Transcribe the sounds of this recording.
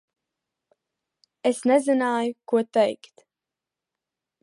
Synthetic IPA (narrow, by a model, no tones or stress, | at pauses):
esnɛzinaːjukuɔt̪ɛjkt̪